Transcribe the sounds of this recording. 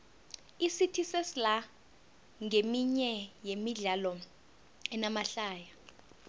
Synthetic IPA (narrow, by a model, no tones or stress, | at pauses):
isitʰisesila | ŋemiɲɛjemiɮalɔ | ɛnamaɬaːja